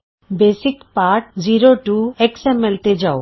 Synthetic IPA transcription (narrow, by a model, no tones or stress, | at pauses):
beːsɪkpaːɾʈd͡ʒiɾoʈueksemɛlt̪ed͡ʒao